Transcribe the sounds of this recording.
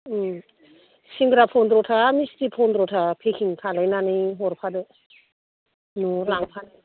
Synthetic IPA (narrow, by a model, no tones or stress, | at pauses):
siŋɡɾapʰɔndɾɔtʰamistipʰɔndɾɔtʰapʰekʰiŋkʰalajnanɯjɦɔɾpʰadɔ | nulaŋpʰan